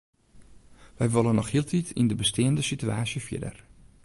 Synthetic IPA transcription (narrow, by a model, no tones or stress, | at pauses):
ʋɛjʋolˠənɔxhiəlˠtʰitʰindəbəsteːəndəsityaːsjəfjɪ̰də̰r